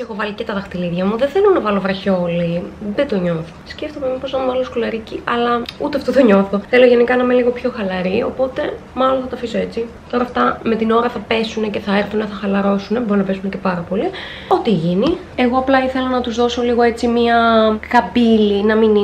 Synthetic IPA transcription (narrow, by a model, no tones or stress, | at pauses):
exovɐlicet̪ɐðɐxt̪iliðʝɐmuðeθe̞lo̞nɐvɐlovɾɐço̞liðed̪o̞ɲo̞θo̥sceft̪o̞memipoznɐmvɐloskulɐɾiciʔɐlɐut̪eɐft̪ot̪oɲo̞θo̞θe̞lo̞ʝenikɐnɐmeliɣo̞pço̞xɐlɐɾio̞̰po̞t̪e̞ | mɐlonθɐt̪ɐfiso̞e̞t͡si | t̪o̞ɾɐːft̪ɐme̞t̪ino̞ɾɐθɐpe̞sune̞ce̞θɐeɾθuneθɐxɐlɐɾo̞sune̞bo̞ɾunɐpe̞sune̞ce̞pɐɾɐpo̞li | o̞t̪iʝini | e̞ɣoɐplɐiθe̞lɐnɐt̪uzðo̞so̞liɣoe̞t͡simiɐkɐpilinɐmini